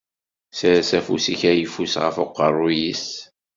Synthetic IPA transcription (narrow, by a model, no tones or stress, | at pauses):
səɾæsæfusiçæjəfusʁə̰foqːə̰rˤːujis